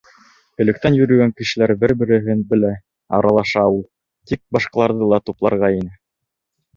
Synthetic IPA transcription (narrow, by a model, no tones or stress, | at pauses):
kɵ̆lɵ̆k̚t̪ænjɵ̆ɾɵ̆ɡæŋkɘ̆ʃɘ̆læɾbɘɾbɘ̆ɾɘ̆ɦɘnbɘ̆læ | ɑ̰ɾɑlˠɑʃɑulˠ | t̪ik̚bɑʃqɑlˠɑɾðɤlˠɑt̪uplˠɑ̰ɾʁɑinɘ